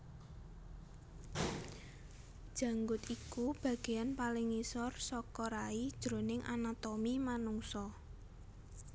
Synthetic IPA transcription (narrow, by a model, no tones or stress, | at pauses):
d̥ʒ̥ä̤ŋɡʊt̪ikub̥ä̤ɡ̥e̤janpalɪŋisɔrsɔkɔɾaid̥ʒ̥ɾo̤nɪŋʔa̰nat̪ɔmimanuŋsɔ